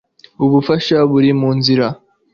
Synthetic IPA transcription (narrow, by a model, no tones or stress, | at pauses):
uβufaʃaβuɾimuːnziɾa